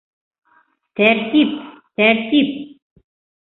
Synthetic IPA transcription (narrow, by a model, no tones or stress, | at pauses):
t̪ært̪ip̚t̪ært̪ip̚